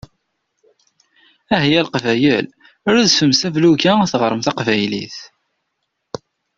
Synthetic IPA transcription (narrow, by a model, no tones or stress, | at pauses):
æɦjælqvæjəl | ʊɾæðfəmsævlukæθəʁəɾˤəmθɑqvæjlḭθ